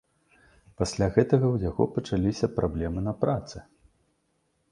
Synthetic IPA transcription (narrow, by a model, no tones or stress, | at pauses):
pasʲlʲaɣɛt̪ɐɣɐwjaɣɔ̰pɐt͡ʂalʲisʲɐpɾʔablʲɛmɨnɐpɾʔat̪sɨ